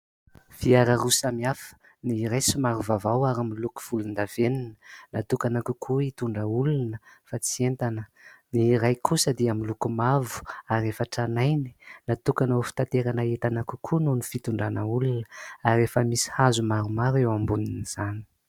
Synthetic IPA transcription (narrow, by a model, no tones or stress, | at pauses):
v̥iaɾəɾusamiafə̥ | niːɾajsimaɾuvavawaɾamiluku̥v̥ulund̪av̥eninə̥nat̪ukanakukʰuit̪uɳɖ͡ʐəulunəfat͡sient̪anəniːɾajkʰusəd̪iamilukumavu̥aɾefəʈ͡ʂanajni̥nat̪ukanafi̥t̪at̪eɾanəet̪anaku̥kʰununifit̪uɳɖ͡ʐanəulunəarefəmisi̥hazumaɾumaɾewambuniniz̥ani̥